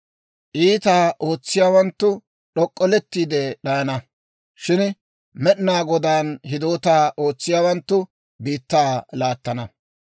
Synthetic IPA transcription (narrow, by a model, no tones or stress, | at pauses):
ʔiːt̪aːʔo̞ːt͡sːɪjaːwɐnt̪ːʊ | ɗɔkʼːɔlɛt̪ːiːd̪ɛɗɐjnɐ | ʃɪn | mɛɗɪnaːɡɔd̪aːnhɪd̪o̞ːt̪aːʔo̞ːt͡sːɪjaːwɐnt̪ːʊ | biːt̪ːaːlaːt̪ːɐnɐ